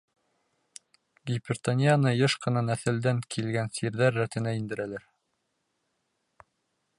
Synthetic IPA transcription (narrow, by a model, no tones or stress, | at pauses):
ɡʲipʲɪrt̪anʲijanɤjɤʃqɤ̆nɑnæθɘ̆ld̪æŋkʰilɡænsiɾðæɾːæt̪ɘ̆næind̪ɘ̆ɾælæɾ